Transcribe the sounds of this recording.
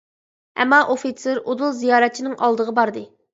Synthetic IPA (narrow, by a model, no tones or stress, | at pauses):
ɛ̰mːɑʔofit̪sʰeɾod̪ulˠzijɑːɾɛt̪̚t͡ʃʰinɪŋʔɑ̰lˠd̪əʁəbɑɾd̪ɨ